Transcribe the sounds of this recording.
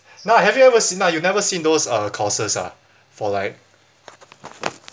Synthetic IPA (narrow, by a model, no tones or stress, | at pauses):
nahɛvjuɛvəsĩnajunɛvəsĩndosʌkʰɔsəsa̰ | fɔlaɪt̚